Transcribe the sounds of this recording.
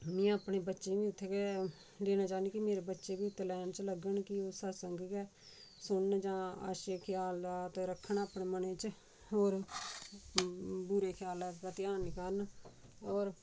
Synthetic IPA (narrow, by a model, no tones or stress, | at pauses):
mĩːaːpɳeːbətːʃeːbĩːʊt̪ʰːekeː | leːnãːt͡ʃaːnd̪iːkimeːɾeːbətːʃeːbiːt̪ːəlɛːnt͡ʃləɡəɳkɪoːsəɾsəŋɡkɛː | sʊɳːd͡ʒãːa̰ːʃekʰjaːld̪aːt̪oɾəkʰːəɳaːpɳeːmənẽːt͡ʃ | oːɾ | buːɾeːkʰjaːlɛːpət̪ɪjaːnikəɾənoːɾ